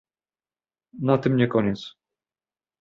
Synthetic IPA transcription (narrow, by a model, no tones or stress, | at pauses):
nat̪ɘmɲɛkɔɲɛt̪s